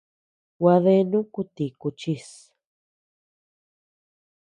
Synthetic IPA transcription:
wa˧ðe˦nũ˦ku˦t̪i˨ku˧t͡ʃi˦s

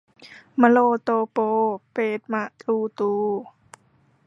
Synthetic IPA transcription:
ma˧loː˧t̪oː˧poː˧peː˨˩t̪̚ma˧ʔt̪luː˧t̪uː˧

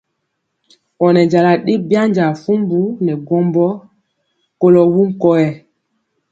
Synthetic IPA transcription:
ɔ˨nɛ˨d͡ʒa˨la˨ɗe˦bja˦ɲd͡ʒa˨fu˦mbu˦nɛ˨ɡɔ˦mbɔ˦ | ko˦lɔ˨wu˦ŋ̩˨kɔ˦jɛ˨

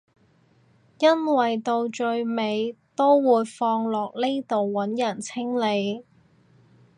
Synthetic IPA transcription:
jɐ˥nwɐ˨jt̪o˧wt͡ʃɵ˧ɥme˨˧jt̪o˥wwuː˨˧jfɔː˧ŋlɔː˨k̚le˥jt̪o˨wːɐ˨˥njɐ˨˩nt͡sʰɪ˥ŋle˨˧j

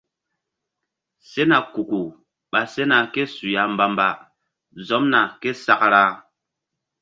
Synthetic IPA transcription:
se˦na˨ku˨ku˨ | ɓa˨se˦na˨ke˦su˨ja˨˦m˦ba˦mba˦ | zɔ˨˦mna˨ke˦sa˦kɾa˦

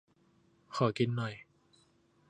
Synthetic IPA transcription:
kʰɔː˩˦ki˧nːɔ˨˩j

